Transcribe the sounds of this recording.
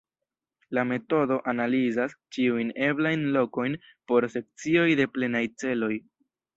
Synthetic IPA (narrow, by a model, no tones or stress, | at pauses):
lame̞to̞do̞ʔanalizast͡ʃiujne̞blajnlo̞ko̞jn | po̞ɾse̞k̚t͡sio̞jde̞ple̞najt͡se̞lo̞j